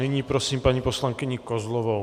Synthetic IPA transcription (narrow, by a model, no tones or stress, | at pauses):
ɛɲiːpɾosiːmpaɲiposlaŋkɪɲɪkozlɔvo